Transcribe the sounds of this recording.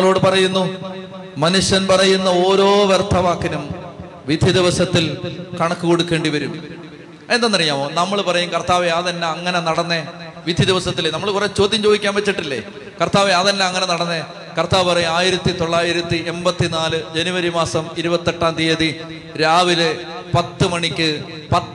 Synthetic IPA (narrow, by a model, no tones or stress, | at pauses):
ɭo̞ːɽɨpɐrɐjunːu | mɐnuʂjɐnpɐrɐjunːɐo̞ːɾo̞ːʋert̪ʰːɐʋaːkːinum | ʋid̪ʱjid̪iʋɐsɐt̪ːilkɐɳɐkːuko̞ɽukːe̞ːɳɖiʋɐɾum | end̪ɐnːɐrijaːmoːnɐmːɐɭpɐrɐjumkɐrt̪aːʋeaːðɐnːeɐŋːɐne̞nɐɽɐnːe | ʋid̪ʱjid̪iʋɐsɐt̪ːilenɐmːɐɭkuret͡ɕo̞ːd̪ʱjɐmt͡ɕo̞ːðikʲːaːnʋet͡ɕːiʈːilːe | kɐrt̪aːʋejaːðɐnːeɐŋːɐnenɐɽɐnːe | kɐrt̪aːʋɨpɐrɐjumaːjiɾɐt̪ːit̪o̞ɭːaːjiɾɐt̪ːiʔe̞mbɐt̪ːinaːlɨd͡ʑenuʋɐɾimaːsɐmiɾubɐt̪ːeʈːaːnd̪iɐði | ɾaːʋile | pɐt̪ːɨmɐɳikʲːɨ | pɐ